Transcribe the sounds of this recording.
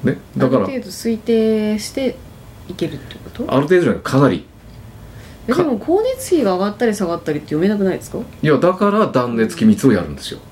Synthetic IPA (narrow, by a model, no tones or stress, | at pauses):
ne̞d̪aɾkaɾat̪e̞ːd̪o̞sɨit̪e̞ːɕi̥t̪e̞ | ike̞ɾɯ̟t̪ːe̞jɯ̟̥kot̪oa̰ɾɯt̪ed̪okʰanaɾʲḭ | d̪d̪emokʰo̞ːnet͡sɨ̥kʲiɡaːɡat̪ːaɾʲisaɡat̪ːaɾʲit̪ːejo̞me̞nakɯ̟naid̪e̞sɨ̥kajad̪akaɾad̪ãnːe̞t͡sɨ̥kʲimʲit͡sɨo̞ja̰ɾɯ̟̃nd̪e̞sɨjo̞̰